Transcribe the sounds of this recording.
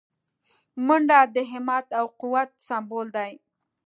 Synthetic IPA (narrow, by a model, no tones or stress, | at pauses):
mʊɳɖad̪əɦɪmɑt̪awqʊwat̪̚sɑmbold̪aj